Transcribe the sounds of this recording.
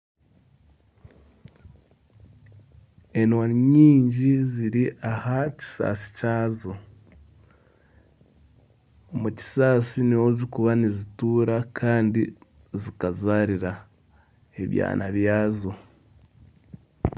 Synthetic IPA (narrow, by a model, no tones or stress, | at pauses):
e̞nwaniɲiːɲɟiziɾiʔahaci̥sa̰ːsi̥caːzo | omuci̥saːsiniwo̞zikuβanizituːɾakʰaːndi | zikazaːɾiɾa | e̞βja̰ːnaβjaːzo̞